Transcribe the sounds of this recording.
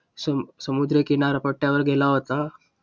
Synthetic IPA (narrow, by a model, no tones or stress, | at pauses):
ssəmud̪ɾəkinaɾapəʈːjaʋəɾɡelaɦot̪a